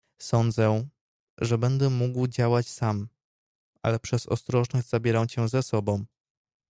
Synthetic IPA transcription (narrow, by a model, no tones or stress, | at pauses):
sɔnd̪zɛ | ʐɛbɛnd̪ɛmuɡwd͡ʑawat͡ɕsam | ʔa̰lɛpʂɛzɔ̰st̪ɾɔʐnɔʑʲz̥abʲjɛɾawt͡ɕɛzɛsɔbɔ̃w̃